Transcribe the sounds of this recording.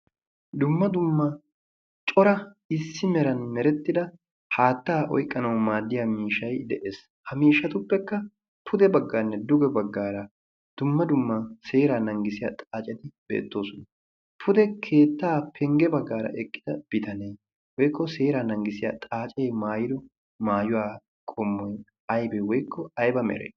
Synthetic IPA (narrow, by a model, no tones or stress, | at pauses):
d̪ʊmːɐd̪ʊmːɐ | t͡ʃʼɔɾɐ | ɪsːɪmɛɾɐnmɛɾɛt̪ːɪd̪ɐ | haːt̪ːaːʔɔ̰jkʼːɐnɐwmaːd̪ːɪjamiːʃɐjd̪ɛʔeːs | hɐmiːʃːɐt̪ʊpːɛkːɐ | pʰʊd̪ɛbɐɡːaːnːɛd̪ʊɡɛbɐɡːaːɾɐ | d̪̥ʊmːɐd̪ʊmːɐse̞ːɾaːnɐŋɡɪsɪjat̪ʼaːt͡ʃʼɛt̪ɪb̥ḛːt̪ːo̞ːsʊnɐ | pʰʊd̪ɛkʰe̞ːt̪ːaːpʰɛŋɡɛbɐɡːaːɾɐ̰ʔɛkʼːɪ̥d̪̥ɐb̥ɪt̪ɐneː | wɔjkːɔse̞ːɾaːnɐŋɡɪsɪjat̪ʼaːt͡ʃʼe̞ːmaːjɪd̪ɔ | maːjʊwaː | kʼɔmːɔj | ɐjbɛwɔjkːɔɐjbɐmɛ̰ɾḛ